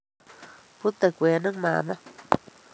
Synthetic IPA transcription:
pu˦t̪a˨kʷe˨nə˦ŋma̰˨ma˦

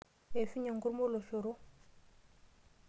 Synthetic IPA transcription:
e˨fi˦ɲa˨ŋɡu˦ɾmo˦lo˨ɬo˨ɾo˦

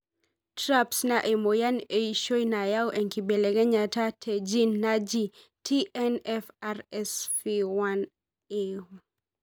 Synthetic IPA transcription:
tɾapsnaʔe˨mo˨ja˦ne˨iʃo˦jna˨ja˦wʔɛ˨ŋki˨be˨le˨ɡɛ˦ɲa˨ta˦tʰe˨d͡ʒi˦nːad͡ʒi˦ | tʰi˦ɛnɛfarɛsfiwan | e

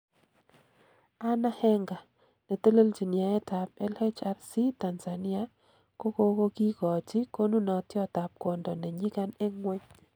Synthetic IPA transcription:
a˦na˦hɛ˦ŋɡa˨ | ne˨to˦lo˦ld͡ʒi˨nja˨ɛ˦ta˨p̚ɛ˦le˦t͡ʃa˦ɾsi˦ta˨nza˨ni˦a˦ | ko˦ko˦ko˦ki˦kɔ˨t͡ʃi˦ko˦nu˦nɔ˨tjɔ˦ta˨p̚kɔ˨ndɔ˨nɛ˨ɲɪ˦ka˦ne˦ŋwɛ˦ɲ

